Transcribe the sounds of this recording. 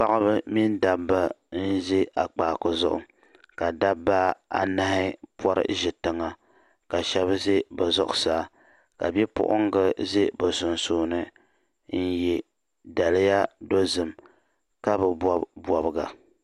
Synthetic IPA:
pa˦ʔa˦bɨ˦mi˦n˦da˨bːa˦n̩˦ze˦ʔa˨k͡paː˨kʊ˨zʊ̰˦ʔʊ̰˨ | ka˨da˦bːa˦a̰˨na˦hɪ˦pɔ˦ɾɨ̰˦ʒɪ˨tɨ˨ŋa˨ | ka˨ʃɛ˦βze˦ba˨zʊ̰˨ʔʊ̰˨saː˨˦˨ | ka˨bɛ˦pʊ̰˦ʔʊ̰˦ŋ˦ɡɨ˦ze˦bɨ˨sʊ˨n˨soː˦nɨ˦ | n̩˦jɛ˨ | da˨lɪ˦ja˦do˦zɨ˨m | ka˦bɨ˨bbɔ˨bɨ˨ɡa̰˨

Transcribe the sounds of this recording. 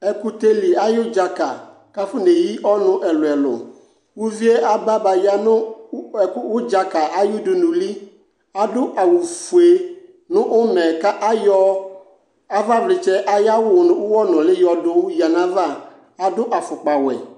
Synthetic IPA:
ɛ˨ku˦t̪e˦li˨a˦jʊ˦d͡ʒa˨ka˨ | ka˦fʊ˦ne˨ji˦ʔɔ˦nʊ̃˦ʔɛ˨lʊ˨ɛ˨lʊ̰˨ | wu˦vi˦e˦ʔa˦ba˦ba˨ja˦nʊ̃˦˨˦ | wʊ˦d͡ʒa˨ka˨ʔa˦jʊ˦dʊ˨nʊ̃˨li˦ | a˨dʊ˦ʔa˨wu˨fu˨e˦ | nʊ̃˦ʔʊ˦mɛ˨ka˦ʔa˦jɔ˦ | a˦va˦vlɪ˨t͡ʃɛ˦ʔa˦ja˦wʊ˦˨nʊ̃˨˦wʊ˦wɔ˦nʊ̃˨lɪ˦jɔ˦dʊ˦wji˨a˨nã˦va˦˨ | a˨dʊ˦ʔa˨fʊ˨k͡pa˨wɛ̰˨

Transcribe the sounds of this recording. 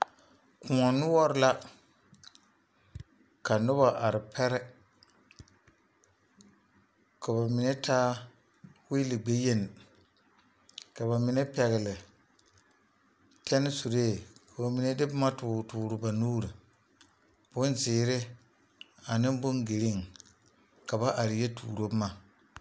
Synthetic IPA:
kʊ˨ɔ˨nʊ˦wɔ˦ɾɪ˦la˦ | ka˨nʊ˦ba˨ʔa˨ɾɪ˨pʰɛ˦ɾɛ˦ | kʰa˨ba˨mi˨ne˦tʰaː˦ | wi˦lɪ˨ɡ͡be˦je˦n˨ | ka˨ba˨mɪ˨˦ne˦pɛ˨ɣɪ˨lɪ˨ | tʰɛ˦nɪ˦su˨ɾeː˦˨ka˨ba˨mi˨ne˦dɪ˦bma˦tʊː˨tʊː˨ɾʊ˨ba˨nuː˦ɾɨ˨ | b̥ʊ˦nzɪː˨ɾɪ˦ | a˨nɪ˦m˦bʊ˦ŋɡe˨li˦ŋ | ka˨ba˦ʔa˨ɾɪ˨jɛ˦tʰṵː˨ɾo˦ma˨

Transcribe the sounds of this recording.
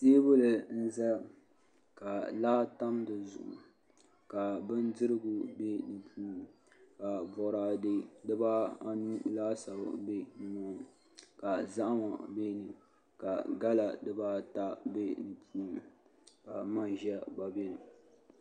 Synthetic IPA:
seː˦bʊ˦lɨ˨n̩˦za˦ | ka˨la˦ta˦mdɨ˨zʊ̰˨ʔʊ̰˨ | ka˨bɨ˦ndɨ˦ɾɨ˦ɡʊ˨be˦nɨ˨pʰuː˦n˨ | ka˨bɔ˨ɾaː˨de˦dɨ˦ba˦a˦nu˦laː˦sa˨b̰be˦nɨ˦mɔ˦˨ | ka˨za˦ʔma˨be˦nɨ˨ | ka˨ɡa˦la˨dɨ˦ba˦ta˦be˦nɨ˨pʰuː˦n˨ka˨ma˦n˨ʒɛ˦ba˨be˦nɨ˨

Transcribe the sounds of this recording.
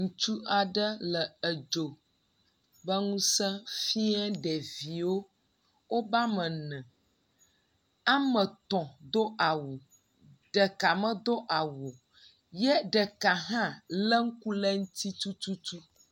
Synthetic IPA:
ŋũ˨t͡ʃu˦a˨ɖə˦lə˨ə˨d͡ʒo˨ | bə˦ŋũ˦sɛ̃˦fi˦ɛ˦ɖɛ˨vi˨wo˦ | wo˦ba˦mə̃˨nɛ̃˨ | a˦mə̃˨t̪ɔ̃˨d̪o˦ʔa˨wo˨ | ɖ̥ə˨ka˨mə̃˦d̪o˦ʔa˨wo˨ | jɛ˦ɖə˨ka˨ɦã˦lə˦ŋ̩˦ku˦lə˦ŋu˦t̪i˦t̪u˦t̪u˦t̪u˦

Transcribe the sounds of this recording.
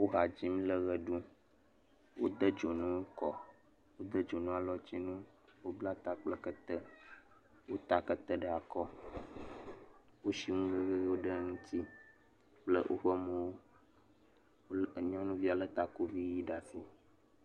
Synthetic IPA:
wo˦ɦa˨d͡ʑi˦mĩ˦lə˦ɣə˨ɖu˦ | wo˦d̪ə˦d͡ʒo˨nũ˦wo˦kɔ˨ | wo˦d̪ə˦d͡ʒo˨nũ˦a˨lɔ˦t͡ɕi˦nũ˦ | wo˦bla˦t̪a˦k͡plə˦kə˦t̪ə˦ | wo˦t̪a˦kə˦t̪ə˦ɖə˦a˨kɔ˦ | wo˦ʃi˦ŋũ˦və˦ɣə˦ɣi˦wo˦ɖə˦ŋũ˦t̪i˦ | k͡plə˦ʔo̰˦ɸə˦mə̃˨wo˦ | o˦˨ɲɔ̃˦nũ˦vi˦a˨lə˦t̪a˨ku˦vi˦ji˦ɖa˨si˦

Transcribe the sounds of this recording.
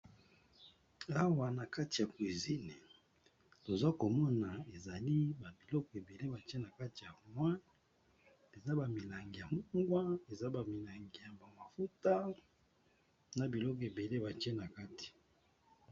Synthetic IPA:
a˦wa˨na˨ka˦ti˨ja˨kwi˨zi˦ne˨ | to˨za˦ko˨mɔ˦na˨e˨za˨li˦ba˨bi˨lɔ˦kɔ˨e˨be˨le˦ba˨te˦na˨ka˦ti˨ja˨mwa˦ | e˨za˦ba˨mi˨la˨ŋɡi˨ja˨m˦ŋɡwa˦e˨za˦ba˨mi˨la˨ŋɡi˨ja˨ba˨ma˨fu˦ta˦ | na˨bi˨lɔ˦kɔ˨e˨be˨le˦ba˨te˦na˨ka˦ti̥˨

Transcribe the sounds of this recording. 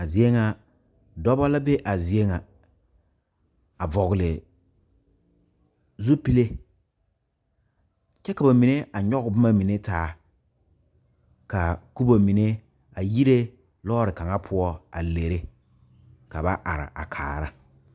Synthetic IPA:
a˨zi˨e˦ŋa˨ | dɔ˦ba˦la˦be˦ʔa˨zi˨e˦ŋa˨ | a˨vɔ˨ɣɪ˨lɪ˨ | zu˦pi˦le˦ | t͡ʃɛ˦ka˨ba˨mi˨ne˦a˨ɲɔ˦ɣʊ˨bʊ˦ma˦mi˨ne˦taː˨˦ | ka˨ku˦bo˨mi˨ne˦ | a˨ji˦ɾe˦ | lɔː˦ɾɪ˨ka˨ŋa˦pʰʊ˦ɔ˦a̰˨le˨ɾe˦ | ka˨ba˦ʔa˨ɾɪ̰˨ʔa̰˨kʰaː˨ɾa˦

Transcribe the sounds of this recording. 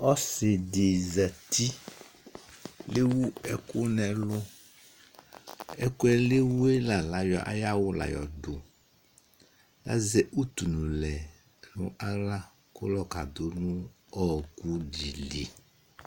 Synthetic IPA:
ɔ˦sɪ˨de˨za˨t̪i˦ | le˦wu˦ɛ˦kʊ˦nɛ̃˨lʊ˦ | ɛ˦kʊ˦ɛ˦le˦wu˦e˦la˨la˨jɔ˨ʔa̰˦ja˦wʊ˦la̰˨jɔ˨ɖʊ˨ | la̰˦zɛ˦ʔu˦t̪u˨nũ˨lɛ˨ | nṵ̃˦ʔa˦la˦ | kʊ˦lɔ˦ka˨d̪o˨˦nũ˦ | ɔ˦ku˦ɖi˨lḭ˨

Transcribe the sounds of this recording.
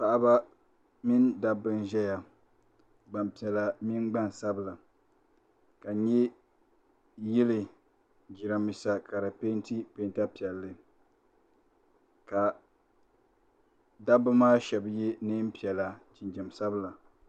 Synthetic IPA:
pa˨ʔa˦ba˦ | mi˦nda˦bːɨ˦nʒɛ˦ja˨ | ɡ͡ba˨mpi˨ɛ˨la˨mi˦nɡ͡ba˦nsa˦bɨ˦˨la˨ | ka˨ɲɛ˦ | jɪ˦lɨ˨ | d͡ʒi˨ɾa˨mi˨sa˨ka˨ɾa˨pe˦nti˦pe˦nta˦pi˨ɛ˨lːɨ˦ | ka˨ | da˦bɨ˦maː˦ʃɛ˨bjɛ˦nɨ˦m˦pi˨ɛ˨la˨t͡ʃɪ˨nd͡ʒɛ˨msa˦bla˨

